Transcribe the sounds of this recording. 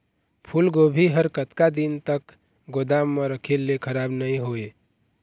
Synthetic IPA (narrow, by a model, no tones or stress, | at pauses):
pʰulɡobʱiɦəɾkət̪kad̪int̪ək | ɡod̪amːeɾəkʰelːekʰəɾabnəĩɦoe